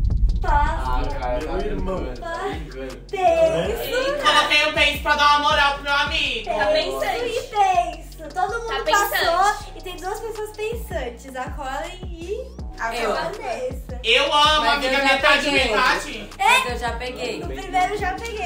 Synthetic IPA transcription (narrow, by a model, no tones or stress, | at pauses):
pas | iɾmɐ̃w̃a | t̪ẽsʊkɛlɐt̪ẽj̃ʊ̃pẽj̃sʊ̥pɾɐd̪ãamoɾawpɾʊmewamiɡʊẽjsẽɪp̪ẽsʊt̪od̪ʊmũnd̪ʊpasoɪt̪ẽj̃d̪uɐspesoɐspẽsɐ̃t͡ʃɪzakʰɔlẽj̃ɪakõɐ̃t̪esɐewɐ̃mʊamĩɡɐẽt̪ad͡ʒivet̪ad͡ʒɪ | ɛewʒapeɡejʊpɾimeɾewʒapeɡej